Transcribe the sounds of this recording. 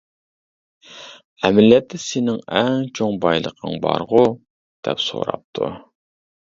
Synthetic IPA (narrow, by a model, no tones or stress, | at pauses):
ɛmɪljɛt̪ʰːɛsenɪŋɛŋt͡ʃʰoŋbɑjlˠə̰qʰəŋbɑɾʁu | d̪̥ɛpso̰ɾɑp̚t̪ʰṵ